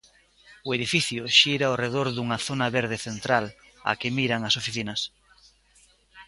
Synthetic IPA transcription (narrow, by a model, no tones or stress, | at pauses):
ʊeðifiθjʊʃiɾaoreð̞oɾðuŋɐθonɐβeɾð̞eθent̪ɾal | a̰kɪmiɾaŋɐsofiθinɐs